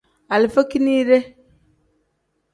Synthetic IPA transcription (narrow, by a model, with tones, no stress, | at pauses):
a˨lfa˦ki˦ni˦ɾe˦